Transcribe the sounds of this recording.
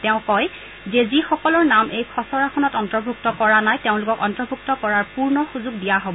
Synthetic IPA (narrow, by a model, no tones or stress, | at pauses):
tɛʊ̃kɔj | zezixɔkɔlɔɹnamejkʰɔsɔɹaxʰɔnɔtɔntɔɹbʱuk̚tɔkɔɹanajteʊ̃lʊkɔkɔntɔɹbʱuk̚tɔkɔɹaɹpuɹnɔxuzuɡdijaɦobɔ